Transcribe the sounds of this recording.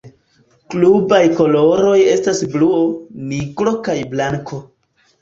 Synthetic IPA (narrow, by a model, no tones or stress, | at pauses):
klubajko̞lo̞ɾo̞je̞stasbluoniɡɾo̞kajblaŋkʰo̞